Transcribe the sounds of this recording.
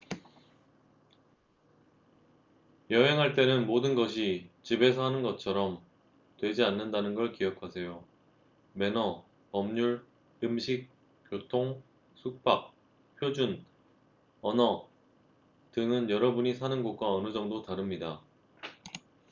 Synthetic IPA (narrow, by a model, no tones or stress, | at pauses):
jʌɦe̞ŋɦaɭt͈e̞nɯnmodɯnɡʌɕ̬ʰit͡ɕibe̞sʰʌɦanɯnɡʌt͡ɕʰʌɾʌm | twe̞d͡ʑianːɯndanɯnɡʌɭkiʌkʰasʰe̞jo | me̞nʌ | pʌmɲuɭ | ɯmɕʰik̚ | k͈jotʰoŋ | sʰuk̚p͈ak̚ | pʰjod͡ʑun | ʌnʌ | tɯŋɯnjʌɾʌbuɲisʰanɯnɡok̚k͈waʌnɯd͡ʑʌŋdotaɾɯmɲida